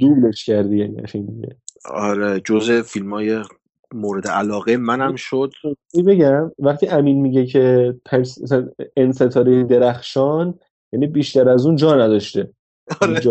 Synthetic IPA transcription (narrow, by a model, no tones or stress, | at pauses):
d̪̥uːle̞ʃcʰæɾd̪ijæniæ̰ʃind̪iɟḛɒ̰ɾed͡ʒozefilmɒːje | moːɾed̪eʔælɒːɣemænæmʃod̪ejbe̞ɟæmvæχt̪ʰiːʔæmiːnmiɟecʰe̞t̪ʰæmsæsænense̞t̪ʰɒːɾiind̪eɾæxʃɒːn | jæniːbiːʃt̪æɾæzuːnd͡ʒɒːnæd̪ɒʃt̪e | d͡ʒ